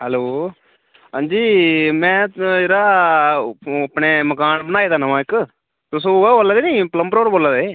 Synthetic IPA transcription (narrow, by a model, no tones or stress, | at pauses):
hɛloː | ɦə̃nd͡ʒiːmɛ̃ːd͡ʒeɾaː | əpneːməkaːnbənaːeːd̪aːnəʋãːɪk | t̪ʊsõːɛːoːlːaːd̪eːnĩːpləmpɾoːɾboːlaːd̪eː